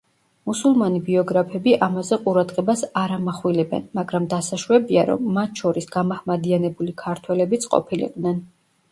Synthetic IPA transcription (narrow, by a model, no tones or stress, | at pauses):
musulˠmanibiɔɡɾapʰɛbiʔamazɛqʼuɾad̪ʁɛbasaɾamaχwilɛbɛ̰nmaɡɾamd̪asaʃwɛbiaɾɔ̰mːat̪ʰʃɔɾisɡ̥amahmad̪ianɛbulikʰaɾt̪ʰwɛlɛbit̪sʰqʼɔ̰pʰilḭqʼd̪nɛn